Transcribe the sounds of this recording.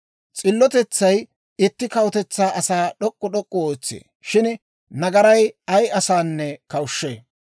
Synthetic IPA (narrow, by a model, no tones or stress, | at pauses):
t͡sʼɪlːɔt̪ɛt͡sːɐj | ɪt̪ːɪkɐwɔt̪ɛt͡sːaːʔɐsaːɗɔkʼːɔɗɔkʼːɔoːt͡sːḛː | ʃɪn | nɐɡɐɾɐjɐjɐsaːnːɛkɐwʊʃːḛː